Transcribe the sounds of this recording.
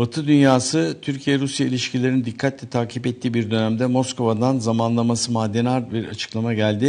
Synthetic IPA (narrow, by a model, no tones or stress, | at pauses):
b̥at̪ʰɯd̪ynjaːsɯt̪ʰyɾcʰijeɛɾusjailʲiʃcilʲe̞ɾinid̪ikʰːat̪lʲɛt̪ʰaːcʰipɛt̪ʰːiːbiɾd̪ø̞næmd̪ɛmo̞skʰo̞vad̪anzamanlˠamasɯmaːd̪ːɛnaɾt̪biɾa̰t͡ʃʰɯ̥klˠamaɟælʲd̪ɪ